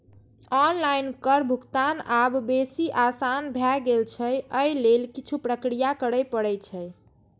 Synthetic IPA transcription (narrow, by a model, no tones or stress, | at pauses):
ɔnlajnkəɾbʱukt̪anabbesiʔasanbʱjɛɡelt͡ʃʰəjəjlelkit͡ʃʰupɾəkɾijakəɾəjpəɽɛt͡ʃʰəj